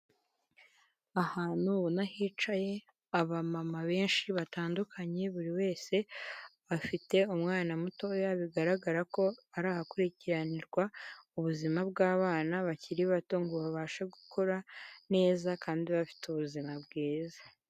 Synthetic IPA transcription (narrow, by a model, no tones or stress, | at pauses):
ahaːn̥uβonahiːt͡ʃaje̞ | aβamamaβe̞ːnʃiβataːndukʰaɲe̞βuɾiwe̞ːse̞βafite̞umŋaːnamuto̞jaβiɡaɾaɡaɾako̞aɾaːhakuɾiciɾaniɾɡwauβuzimab̚ɡaːβaːnaβaciɾiβato̞ŋɡuβaβaːʃaɡukʰo̞ɾane̞ːzakaːndiβafi̥tuβuzimab̚ɡeːzḁ